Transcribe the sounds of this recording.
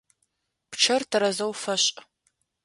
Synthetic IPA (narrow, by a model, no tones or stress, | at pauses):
pʈ͡ʂʰɐrtʰɐɾɐzɐwfɐɕʼ